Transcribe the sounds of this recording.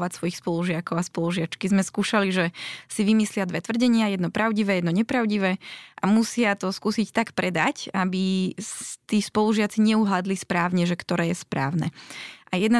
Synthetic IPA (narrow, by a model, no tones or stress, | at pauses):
ʋacsʋɔjixspɔluʒɪakɔʊaspɔluʒɪat͡ʃkizmɛskuːʃaliʒɛsiʋimislɪad̪ʋɛt̪ʋr̩ɟɛɲɪajɛd̪nɔpɾaʊɟiʋɛːjɛd̪nɔɲɛpɾaʊɟiʋɛʔamusɪat̪ɔskuːsict̪akpɾɛd̪acabi | t̪iːspɔluʒɪat͡siɲɛuɦlad̪lispɾaːʊɲɛʒɛkt̪ɔɾɛːjɛspɾa̰ːʊnɛ̰ʔajɛd̪na